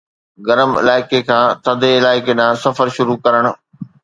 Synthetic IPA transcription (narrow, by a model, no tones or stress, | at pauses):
ɡɐɾəmɪ̰laːɪkekʰãːt̪ɐd̪ʱeɪlaːɪkenãsɐfəɾʃʊɾukɐɾəɽ̃ʊ̆